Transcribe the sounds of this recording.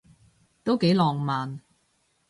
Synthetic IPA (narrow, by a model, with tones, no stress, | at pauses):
t̪o˥wke˨˥jlɔː˨˩ŋmaː˨n